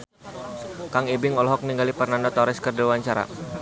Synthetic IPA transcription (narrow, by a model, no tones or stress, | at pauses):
kaŋibɪŋɔlɔɦɔk̚niŋɡalipərnandɔt̪aɾɪskərdilwaɲt͡ʃaɾa̰